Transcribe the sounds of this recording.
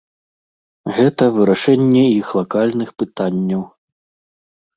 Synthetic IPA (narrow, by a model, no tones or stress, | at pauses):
ɣɛt̪ɐvɨɾaʂɛnʲːɛixlˠakalʲnɨxpɨt̪anʲːɐw